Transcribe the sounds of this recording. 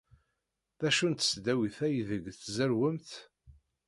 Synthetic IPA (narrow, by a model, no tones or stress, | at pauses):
ðæʃunt̪ə̥sd̪æwiθæjðəɡθzəɾwəmθ